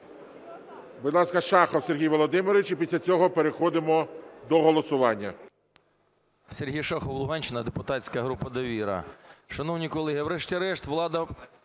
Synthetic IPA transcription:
bʊd̪lˠɑskɐʃɑxɔwserɦʲijʋɔlˠɔd̪ɪmɪɾʋɪt͡ʃipʲisʲlʲɐt͡sʲɔɦɔpeɾexɔd̪ɪmɔd̪ɔɦɔlˠɔsʊʋɑnʲːɐ | serɦʲijʃɑxɔwlˠʊɦɑnʲt͡ʃɪnɐd̪epʊt̪ɑtʲt͡sʲkɐɦɾupɐd̪ɐʋʲiɾɐ̰ʃɐnɔwnʲijkɔlˠɛɦɪwɾɛʃtʲiɐɾɛʃt̪ʋlˠɑd̪ɐ

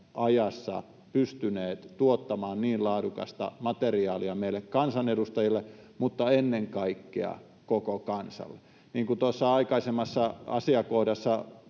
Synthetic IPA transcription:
ʔɑjɑsːɑ̰ | pyst̪yneːt̪t̪uot̪ːɑmɑːnniːllɑːdukɑ̰st̪ɑ̰mɑt̪eriɑːliɑmeilːekkɑnsɑnedust̪ɑjilːemut̪ːɑenːeŋkɑikːḛɑ̰ | kokokɑnsɑ̰lːe | niːŋkut̪osːɑɑikɑisemːɑsːɑɑ̰siɑkohdɑsːɑ

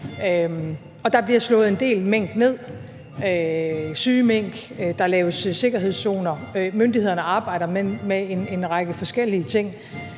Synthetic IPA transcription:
ø | ɒ̽d̥ɑ̈b̥liɐslɔ̽ːð̩ˠe̝nd̥e̝̰ːlmeŋ̰ɡ̥ne̝ð̞̰ˠ | øsyːmeŋ̰ɡ̥d̥ɑ̈lɛːʊsse̝ɡ̥ɐɦe̝ð̞̰ˠso̝ːnɐmønd̥ihe̝ð̞̰ˠɐnəɑ̈ːb̥ɑ̈ɪ̰ɾ̥ɐmemeene̝nʁɑ̈ɡ̥əfɒ̽sɡ̥el̰iət͡sʰe̝ŋ̰

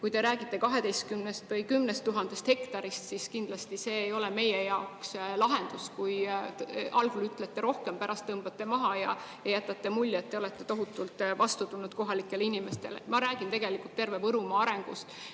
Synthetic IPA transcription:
kujt̪e̞ɾæːɡ̥it̪ˑːe̞kɑɦe̞d̪e̞jst̪̚kymnest̪vɤjkymnest̪ːuɦɑnd̪̥e̞st̪hekt̪ɑɾist̪siskind̪̥lɑst̪ise̞ːjo̞leme̞jejɑokslɑɦe̞nd̪̥uskuj | ɑlɡulyt̪ːˑlet̪ːeɾo̞hkempæɾʔɑst̪ːɤmb̥ɑt̪ːe̞mɑɦɑjɑ̰jɑjæt̪ːˑɑt̪ːe̞mulʲːet̪ːe̞o̞let̪ːe̞t̪o̞ɦut̪ːˑult̪ˑvɑst̪ut̪unud̪̥ko̞ɦɑlikːˑe̞linime̞st̪e̞lḛmɑɾæːɡ̥int̪e̞ɡelikːˑult̪ːe̞rve̞vɤɾumɑɑɾe̞ŋɡ̥ust̪

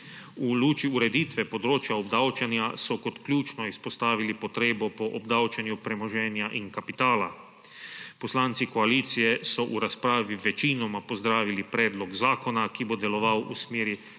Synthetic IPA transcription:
uluːt͡ʃiuɾɛd̪iːt̪ʋɛpod̪ɾoːt͡ʃjaɔbd̪awt͡ʃanjasɔkot̪klʲjuːt͡ʃnɔispɔst̪aːʋilipɔt̪ɾeːbɔpɔʔɔbd̪awt͡ʃanjupɾɛmɔʒɛːnjaʔiŋkapit̪aːla | pɔslaːnt̪sikoaliːt̪sijɛsɔʔuɾaspɾaːʋiʋɛt͡ʃinɔmapozd̪ɾaːʋilipɾɛːd̪lɔɡzaːkɔnakibod̪ɛlɔʋawusmeːɾi

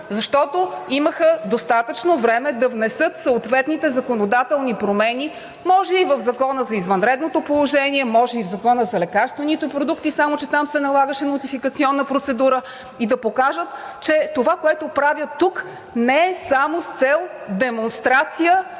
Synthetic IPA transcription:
zɐʃt̪ɔt̪oiməxəd̪ost̪at̪ət͡ʃnovɾɛmɛd̪ɐvnɛsɤt̪soot̪vɛt̪nit̪ɛzɐkonod̪at̪ɛlˠnipɾomɛni | mɔʒɛivəvzɐkɔnəzɐizvɐnɾɛd̪not̪opolˠoʒɛniɛmɔʒɛivzɐkɔnəzɐlɛkaɾst̪vɛnit̪ɛpɾod̪ukt̪isamot͡ʃɛt̪amsɛnɐlˠaɡəʃɛnot̪ifikət̪siɔnːəpɾot̪sɛd̪uɾə | id̪ɐpokaʒət̪ | t͡ʃɛt̪ovakoɛt̪opɾavʲjət̪ːuk | nɛɛsamost̪sɛlˠ | d̪ɛmonst̪ɾat̪sijə

